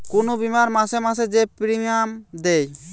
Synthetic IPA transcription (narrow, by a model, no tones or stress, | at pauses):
kunobimaɾmasɛmas̬ɛd͡ʒɛpɾiŋamd̪ɛj